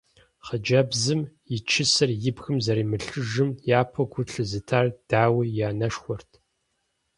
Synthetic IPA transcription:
χəd͡ʒɐbzɨmjɪt͡ʃʰɪsɨrjɪbxɨmzɐɾiːmɨɬɨʒɨmjaːpʰɐɡʷʊɬɨzɨtʰaːrd̥aːwijaːnɐʂxʷɔrtʰ

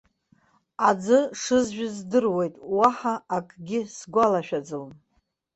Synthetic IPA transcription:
ad͡zɨʂɨzʒᶣʊzdɨrwe̞jtʼwaħaːkʼɡʲɪsɡʷalaʃᶣad͡zɨl

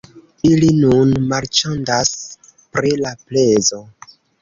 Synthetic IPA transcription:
ilinunmaɾt͡ʃondas | pɾilaplezo̞

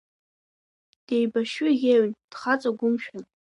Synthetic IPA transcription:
d̥ejbaʃʏɣʲeɥnd̥χat͡sʼaɡʷʊmʃᶣan

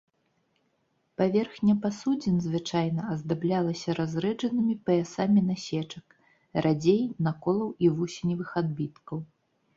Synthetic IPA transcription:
pavʲɛrxnʲɐpasud͡zʲinzvɨt͡ʂajnɐɐzd̪ablʲalˠɐsʲɐɾazɾɛd͡ʐɐnɨmʲipɐjɛsamʲinasʲɛt͡ʂɐk | rad͡zʲejnakɔlˠɐwivusʲinʲivɨxad̪̚bʲit̪kɐw

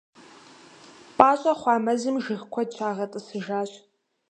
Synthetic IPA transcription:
pʼaːɕʼɐχʷɑːmɐzɨmʒɨχkʷʰɔd̚t͡ʃʷʰaːʁɐtʼɨsɨʒaːɕʼ

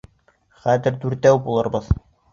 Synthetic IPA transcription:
χæðɘ̆ɾd̪ʉɾt̪æwbulˠɤ̆ɾbɤð

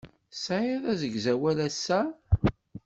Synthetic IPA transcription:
sʕiðˤæzəɡzæwælæsːæ

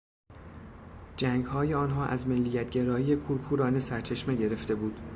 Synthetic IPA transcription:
d͡ʒæŋɡhɒːjeɒːnɦɒːʔæ̰zmelːijæt̪̚ʰɟe̞ɾɒːjiːje̞kʰuːɾkʰuːɾɒːne̞sæɾt͡ʃʰeʃme̞ɟeɾe̞ft̪e̞buːd̪̥

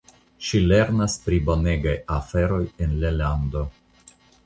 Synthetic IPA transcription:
ʃile̞ɾnaspɾibo̞ne̞ɡajafe̞ɾo̞jenlelando̞

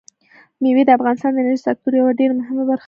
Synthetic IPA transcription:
miwed̪əafɣɑnɪst̪ɑnd̪əɪnaɾʒisak̚t̪uɾjawaɖeɾamʊɦɪmabaɾx

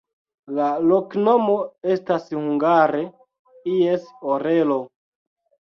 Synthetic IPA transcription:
lalokno̞mo̞e̞stashuŋɡaɾe | ijesoɾelo̞

